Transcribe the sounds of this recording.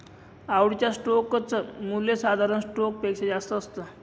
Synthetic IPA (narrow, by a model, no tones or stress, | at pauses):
awɽit͡ɕjasʈokt͡səmuljesad̪ʱaɾənsʈok̚pekɕed͡zast̪əːst̪ə